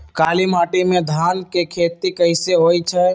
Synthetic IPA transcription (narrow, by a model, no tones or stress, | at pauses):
kalimaʈimed̪ʱankekʰet̪ikəɪseɦojt͡ʃʰɛ